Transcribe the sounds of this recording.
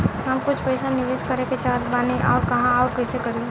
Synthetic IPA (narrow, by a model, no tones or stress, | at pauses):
ɦəmkʊt͡ʃʰpəɪsanɪʋeːskəɾeket͡ʃaːt̪baːneʔaːkɐɦãakəɪsekəɾi